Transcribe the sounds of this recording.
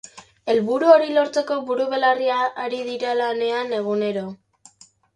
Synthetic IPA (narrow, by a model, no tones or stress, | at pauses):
e̞lβuɾuo̞ɾilo̞ɾt͡se̞ko̞βuɾuβe̞lariaːɾiðiɾalane̞ane̞ɣune̞ɾo̞